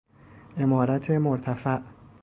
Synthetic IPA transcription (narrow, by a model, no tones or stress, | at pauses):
ʔe̞mɒːɾæt̪ʰe̞moɾt̪ʰæfæʔ